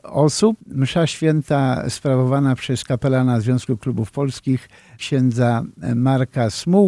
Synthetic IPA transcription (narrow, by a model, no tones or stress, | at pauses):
ɔsup̚mʂaɕfʲjɛnt̪aspɾavɔvanapʂɛskapɛlanazvʲjɔ̃w̃skuklubufpɔlskʲix | kɕɛnd̪zamaɾkasmu